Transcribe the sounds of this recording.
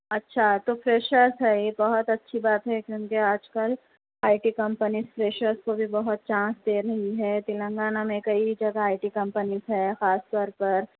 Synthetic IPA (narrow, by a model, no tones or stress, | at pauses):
ɐtːʃʰat̪ofɾeːʃəɾzɦɛjebɐɦʊt̪ɐtːʃʰibaːt̪ɦɛkjõːkeaːd͡ʒkɐl | aːɪʈikɐ̃mpənizfɾeːʃəɾskobʱibɐɦʊt̪̚t͡ʃãːsd̪eːɾɐɦiɦɛt̪ɪlə̃ŋɡaːnamẽkɐid͡ʒɐɡaaːɪʈikɐ̃mpənizɦɛxaːst̪ɔːɾpɐɾ